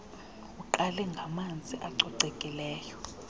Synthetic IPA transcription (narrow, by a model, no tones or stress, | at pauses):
uǃalɛŋɡʱamand͡zʱiʔaǀɔǀɛkʼilɛːjɔ